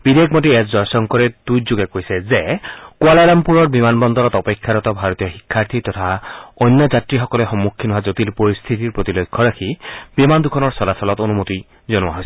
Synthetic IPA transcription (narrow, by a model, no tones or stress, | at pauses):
b̥id̪ekʰmɔtiɛtzɔjsɔŋkɔɹɛdujzoɡɛkojsɛzɛkualalampuɹɔɹbimanbɔnd̪ɔlɔt̪ɔpekʰːaɾɔt̪ɔbʱaɹɔt̪ijɔxikʰːaɹt̪ʰit̪ɔt̪ʰaɔjnːɔzatɹixɔkɔlɛxɔmːukʰːinɔɦazot̪ilpoɹist̪ʰit̪iɹpɹot̪ilokʰːɔɹakʰibimand̪ukʰɔnɔɹsɔlasɔlɔt̪onumot̪i | zɔnʊa̰ɦojsɛ